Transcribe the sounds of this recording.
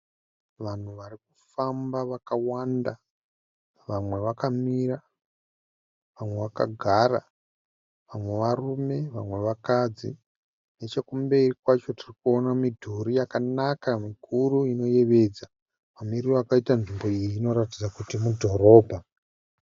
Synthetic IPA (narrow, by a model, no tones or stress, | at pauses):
ʋan̤uʋarikufambaʋakawanda | ʋamwe̞ʋakamira | ʋamwe̞ʋaka̰ɡʱara | ʋamwe̞ʋarume̞ʋa̰mwe̞ʋakad͡zḭ | ne̞t͡ʃekumbe̞irikwat͡ʃo̞tirikuo̞namidʱuɾijakanakamikʰuruino̞je̞ʋe̞d͡za | mamirioakaitanʐimbo̞ijiːno̞ɾatid͡zakutimudʱo̞ɾo̞ːbʱa